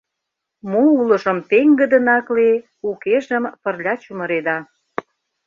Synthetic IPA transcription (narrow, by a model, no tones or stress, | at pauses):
moulə̆ʒəmt̪eŋɡə̆d̪ə̆nɑkle | ukeʒə̆mpə̆rlʲɑt͡ɕumə̆ɾed̪ɑ